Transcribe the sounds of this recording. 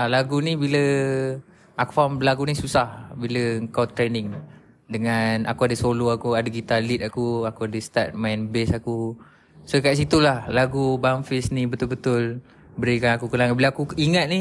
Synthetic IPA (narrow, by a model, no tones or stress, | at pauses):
alaɡunibilə | akufamlaɡunisusahbiləəŋkawt̪ɾenɪŋ | dəŋana̰kuadəsoloakuadəɡit̪alit̪̚akuakuadəst̪at̪̚majnbesaku | sokaʔs̬it̪ulahlaɡubaŋfisnibət̪ʊlbət̪ʊl | bəɾikanakukənaŋabilaakuiŋat̪̚ni